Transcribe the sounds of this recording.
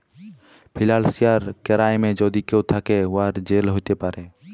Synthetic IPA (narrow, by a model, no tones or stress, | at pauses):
pʰɪlaːlsɪjaːɾkəɾaːemẽːd͡ʒoːd̪ikot̪ʰaːkeʋaːɾd͡ʒeːlɦoːt̪epaːɾeː